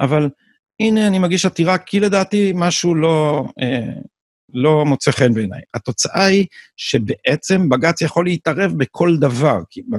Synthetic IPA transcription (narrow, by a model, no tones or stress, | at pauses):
ʔaval | ine̞animaɡiʃat̪iʁakʰile̞d̪aːt̪imaʃulo̞e | lo̞mot͡seχe̞nbe̞ːna̰jat̪o̞t͡saʔaiʃe̞be̞ʔet͡se̞mbaɡat͡sjaχo̞leit̪aʁe̞vbekʰo̞ld̪avaʁkʰiba